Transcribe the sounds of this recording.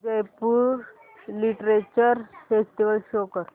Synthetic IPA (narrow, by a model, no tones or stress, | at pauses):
ɡəjpuɾ | liʈɾet͡ɕəɾfesʈiʋəlɕokəɾ